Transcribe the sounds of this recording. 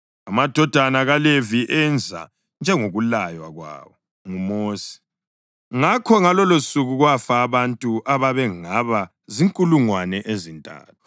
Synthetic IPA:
amad̥ʱɔd̥ʱanaɣaleviʔɛnd͡zʱa̰ | nd͡ʒʱɛŋoɣulajwa̰ɣwa̰ːwɔ | ŋumoːsi̥ | ŋakʰɔŋalɔlosuɣuɣwafaːβantʼuʔaβaβɛŋaβa | ziŋkʼuluŋwanɛʔezintʼa̰ːtʰu̥

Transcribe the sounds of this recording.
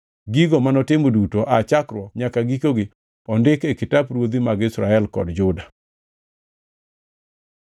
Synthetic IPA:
ɡiɡɔmanɔtɪmodutoʔat͡ʃakɾwɔɲakaɡikoɡɪ | ɔndɪkekɪtabɾwod̪imaɡɪsɾa̰ɛlkɔ̰dd͡ʒʊda

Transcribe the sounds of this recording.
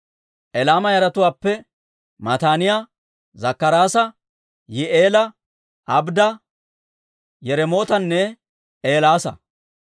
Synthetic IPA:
ʔɛlaːmɐjɐɾɐt̪ʊwaːpːɛ | mɐt̪aːnɪja | zɐkːɐɾaːsɐ | jɪʔeːlɐ | ʔɐbd̪ɐ | jɛɾɛmo̞ːt̪ɐnːɛ | eːlaːsɐ̰

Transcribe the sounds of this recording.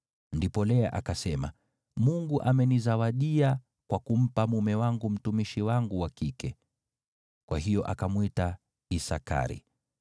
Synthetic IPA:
ndipɔlɛaʔakasɛma̰ | muŋɡuʔamɛnizawaɗia | kwakum̩pamumɛwaŋɡum̩tumiʃiwaŋɡuwakikɛ | kwaɦijɔʔakamwita | isa̰ka̰ɾḭ

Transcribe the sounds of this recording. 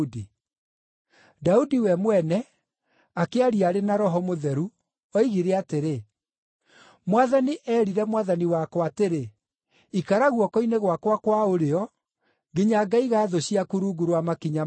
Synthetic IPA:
di | daudiwɛmwɛnɛ | akeaɾiaɾenaɾɔɦɔmoðɛɾu | ɔiɣiɾeateɾe | mwaðaniʔɛːɾiɾɛmwaðaniwakɔateɾe | ikaɾaɣwɔkɔineɣwakwakwaoɾeɔ | ɡeɲaɡaiɣaːðoɕiakuɾuɡuɾwamakiɲa

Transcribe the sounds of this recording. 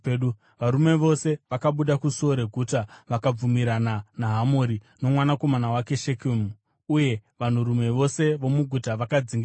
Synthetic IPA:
ɗu | ʋaɾume̞ʋo̞se̞ʋakaɓuɗakuso̞ɾe̞ɡʱutaʋakab͡vumiɾananaɦamoɾi | no̞mwanako̞manawake̞ʃekum | uje̞ʋan̤uɾume̞ʋo̞se̞ʋo̞muɡʱutaʋakad͡ziŋɡi

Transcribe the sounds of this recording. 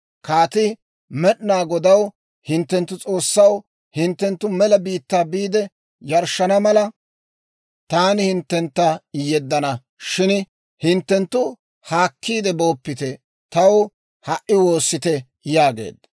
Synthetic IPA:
kaːt̪ɪ | mɛɗnaːɡɔd̪ɐw | hɪnt̪ːɛnt̪ːʊt͡sʼo̞ːsːɐw | hɪnt̪ːɛnt̪ːʊmɛlɐbiːt̪ːaːbiːd̪ɛ | jɐɾʃɐnɐmɐlɐ | t̪aːnɪhɪnt̪ːɛnt̪ːɐɪjːɛd̪ːɐnɐ | ʃɪn | hɪnt̪ːɛnt̪ːʊ | haːkʰːiːd̪ɛbo̞ːpːɪt̪ɛ | t̪ɐw | hɐʔɪwo̞ːsːɪt̪ɛ | jaːɡḛːd̪ɐ

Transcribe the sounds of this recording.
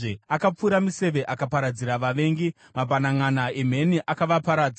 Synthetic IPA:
eakap͡fuɾamise̞ʋe̞ʔakapaɾad͡ziɾaʋaʋe̞ːŋɡi | mapanaŋanaem̤e̞niʔakaʋapaɾaːd͡za

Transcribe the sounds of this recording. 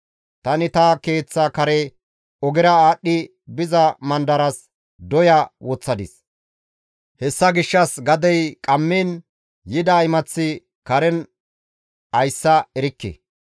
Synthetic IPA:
t̪ɐnɪt̪ɐke̞ːt͡sːɐkɐɾɛ | ɔɡɪɾɐaːɗːɪ | bɪzɐmɐnd̪ɐɾɐs | d̪ɔjɐwɔt͡sːɐd̪ɪs | hɛsːɐɡɪʃːɐsɡɐd̪ɛjkʼɐmːiːn | jɪd̪ɐɪmɐt͡sːɪ | kɐɾɛn | ɐjsːɐɛɾɪkːɛ̰

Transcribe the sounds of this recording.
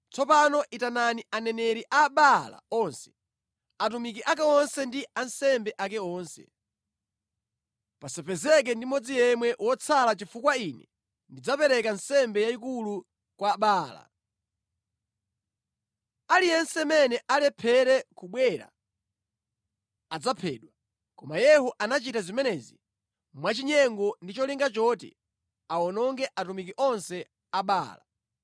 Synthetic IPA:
t͡sɔpanɔʔitananianɛnɛɾiʔaɓala̰ɔnsɛ̥ | atumikiʔakɛɔnsɛndiansɛmbɛʔakɛɔːnsɛ̰ | pasɛpʰɛzɛk̬ɛndimɔd͡zijɛmwɛʔwɔt͡sʰalat͡ʃifukwainɛ | ndid͡zapɛɾɛkansɛmbɛjaik̬ulu | kwaːɓaːla̰ | alijɛnsɛmɛnɛʔalɛpʰɛɾɛkuɓwɛɾa̰ | ad͡zapʰɛ̰ːɗwa | kɔmajɛhɔʔanat͡ʃitazimɛnɛzi | mwat͡ʃiɲɛŋɡɔndit͡ʃɔliŋɡat͡ʃɔtḭ | aɔnɔŋɡɛʔatumikiʔɔnsɛ | aɓa̰ːla

